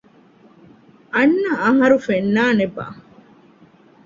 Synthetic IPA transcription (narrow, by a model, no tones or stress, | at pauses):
ʔɐnːɐɐɦɐɾufenːaːneba̰